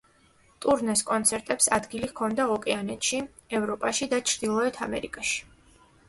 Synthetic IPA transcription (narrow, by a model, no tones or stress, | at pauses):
t̪ʼuɾnɛskʼɔnt̪sʰɛɾt̪ʼɛpsad̪ɡilihkʰɔnd̪aɔkʼɛanɛt̪ʃi | ɛvɾɔpʼaʃid̪at͡ʃʰɾd̪ilˠɔɛt̪ʰamɛ̰ɾḭkʼaʃi̥